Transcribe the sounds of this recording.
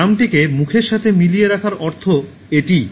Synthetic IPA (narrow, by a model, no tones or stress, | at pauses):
amʈikemukʰeɾʃat̪ʰemilijeɾakʰaɾɔɾt̪ʰo | eʈi